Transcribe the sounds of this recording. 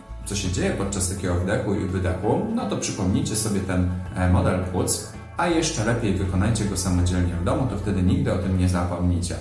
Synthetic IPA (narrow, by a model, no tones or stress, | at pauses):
t̪ɔɕɛd͡ʑejɛpɔt̪̚t͡ʂast̪akʲɛɡɔvd̪ɛxuḭvɘd̪ɛxunɔt̪ɔpʂɘpɔmɲijt͡ɕɛsɔbʲjɛt̪ɛnmɔd̪ɛlpwut̪s | ajɛʂt͡ʂɛlɛpʲjejvɘkɔnajt͡ɕɛɡɔsamɔd͡ʑɛlɲɛvd̪ɔmut̪ɔft̪ɛd̪ɘɲiɡ̚d̪ɘɔt̪ɘmɲɛzapɔmɲit͡ɕɛ̰